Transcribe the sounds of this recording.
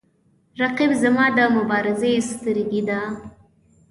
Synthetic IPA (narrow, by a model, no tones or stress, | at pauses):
ɾaqibzamɑd̪əmʊbɑɾɪzest̪əɾɡid̪a